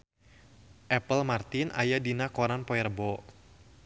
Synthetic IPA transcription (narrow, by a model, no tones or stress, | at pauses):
ʔɛpəlmart̪ɪnʔa̰jadinakɔɾanpɔɛrbɔ